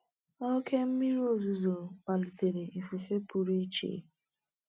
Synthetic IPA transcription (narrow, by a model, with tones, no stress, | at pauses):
o˦kʰe˦m̩˦mi˦ɾi˦o˦zu˨zo˨k͡pa˨li˨te˨ɾe˨ʔi˨fu˨fe˦pu˨ɾi˦t͡ʃḛ˨˦